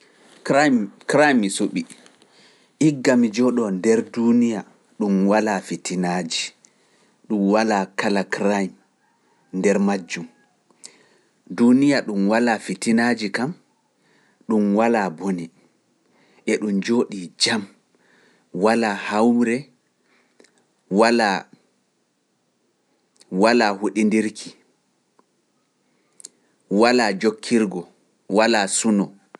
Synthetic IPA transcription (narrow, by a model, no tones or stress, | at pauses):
kɾajmːisoɓi | ʔiɡːamid͡ʒɔɗɔndɛɾdunija | ɗumwalafitʰinad͡ʒi | ɗumwalaːkalakɾajm | ndɛɾmad͡ʒːum | dunijaɗumwalafitinad͡ʒikam | ɗumwalaboni | ʔɛɗumd͡ʒoːɗid͡ʒam | walahawɾɛ | wala | walahuɗindiɾkʰi | walad͡ʒokʰːiɾɡɔ | walasunɔ